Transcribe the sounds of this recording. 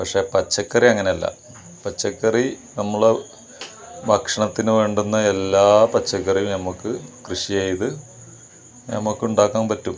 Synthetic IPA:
pɐkʂe̞ːpɐt͡ɕːɐkːɐriɐŋːɐneɐlːɐ̰ | pɐt͡ɕːɐkːɐri | nɐmːuɭe | bɐkʂɐɳɐt̪ːinɨʋe̞ːɳɖunːɐelːaːpɐt͡ɕːɐkːɐrijumnɐmːɐkːɨkrɨʂijajiðɨ | nɐ̰mːɐkːɨuɳɖaːkːaːmpɐtːum

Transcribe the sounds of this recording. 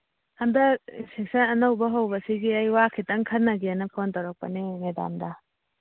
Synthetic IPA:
ɐmdɐḭnsʰek̚sɐnɐnɐwbɐɦɐwbɐsiɡiɐjwakʰitɐŋkʰɐt̚nɐɡeanɐpʰontawɾɐk̚pɐ̰nimeda̰mdɐ

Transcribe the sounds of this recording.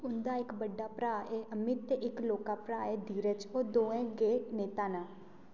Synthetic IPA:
ʊnd̪aːɪkbəɖaːpɾaːʔeːʔəmɪt̪ɪkloːkaːpɾaːeːd̪iːɾət͡ʃoːd̪oːɛ̃ːɡeːneːt̪aːnãː

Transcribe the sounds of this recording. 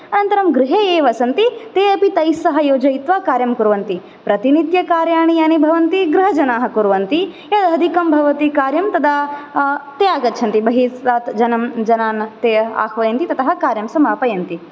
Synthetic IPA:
ɐnɐnt̪ɐɾɐmɡɾɪɦeːeːʋɐsɐnt̪it̪eːɐpit̪ɐjsɐɦɐjoːd͡ʒɐjit̪ʋaːkaːɾjɐmkuɾʋɐnt̪i | pɾɐt̪inid̪jɐkaːɾjaːɳijaːnibʱɐʋɐnt̪iɡɾɪɦɐd͡ʒɐnaːɦɐ̆kuɾʋɐnt̪i | jɐd̪ɦɐd̪ʱikɐmbʱɐʋɐt̪ikaːɾjɐmt̪ɐd̪aː | t̪eːaːɡɐt̪ːʃʰɐnt̪ibɐɦisaːt̪d͡ʒɐnɐmd͡ʒɐnaːnt̪eːa̰ːkʰʋɐjɐnt̪it̪ɐt̪ʰɐɦɐkaːɾjɐmsɐmaːpɐjɐnt̪i

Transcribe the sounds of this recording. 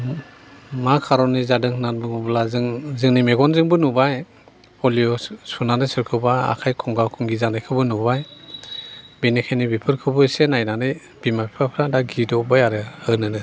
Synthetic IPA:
makʰaɾɔnizadɯŋhɯnanbɯŋɔblazɯŋzɯŋnimeɡɔnzɯŋbɯnubaj | ɔliɔsunanɯsɯɾkʰɯbaa̰kʰajkʰɔŋɡawkʰɔŋɡizanɯjkʰɯbɯnubaj | benikʰajnibipʰɯɾkʰɯbɯsenajnanɯj | b̥imapʰɾapʰɾadaɡidɔbajaɾɯɯnɯnɯ

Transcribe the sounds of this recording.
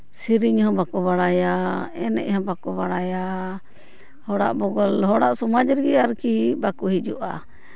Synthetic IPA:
siɾiɲhɔ̃bakɔβaɽajaɛ̰nɛ̰ʔhɔ̃bakɔbaɽaja | hɔɽa̰ʔbɔɡɔlɦɔɽaʔsɔmad͡ʒɾɡiaɾkibakuɦid͡ʒuʔa̰

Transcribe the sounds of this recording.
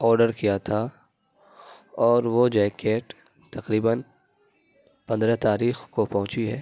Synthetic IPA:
ɔːɾɖəɾkijat̪ʰa | ɔːɾʋod͡ʒɛːkeːʈ | t̪ɐqɾiːbən | pɐ̃nd̪ɾɛt̪aːɾiːxkopɐɦʊ̃t͡ʃiɦɛː

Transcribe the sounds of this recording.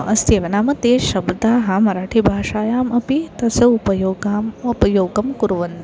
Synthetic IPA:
ɐst̪eːʋɐnaːmɐt̪eːʃɐbd̪aːɦɐmɐɾaːʈʰibʱaːʂaːjaːmʔɐpit̪ɐsɐupɐjoːɡaːmɐpɐjoːɡɐmkuɾʋɐn

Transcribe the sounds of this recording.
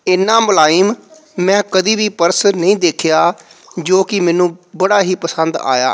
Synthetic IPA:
ɪnːãːmlaːiːm | mɛ̃ːkəd̪iːʋiːpəɾsnəĩːd̪eːkʰjaːd͡ʒoːkɪmɛ̃ːnũːbəɽaːɦiːpəsənd̪a̰ːja̰ː

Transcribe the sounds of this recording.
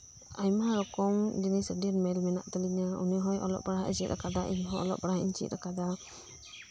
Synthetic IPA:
ajmaɾɔkɔmd͡ʒɛnisədinmɛlmɛna̰ʔt̪ɛliɲauniɦɔjʔɔ̰lɔ̰ʔbaɾaɦaisɛʔʔa̰kad̪aʔḭnɦɔɔ̰lɔ̰ʔbaɾaɦaḭɲt͡ʃḭɾakad̪a

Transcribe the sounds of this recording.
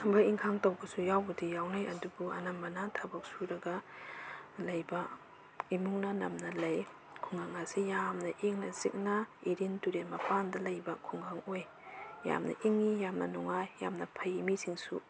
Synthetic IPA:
baiŋʰaŋtowbɐsujawbudijawnajɐdubuɐ̰nambɐnatʰabak̚suɾɐɡa | lɐjbɐ | imuŋnɐnɐmnɐlɐj | kʰuŋɡaŋasijamnɐʔiŋnɐzik̚nɐiɾintuɾenmɐpandɐlɐjbɐkʰuŋɡaŋoj | ja̰mnɐ̰ʔiŋːijamnɐnuŋajːa̰mnɐpʰɐjimisʰiŋsṵ

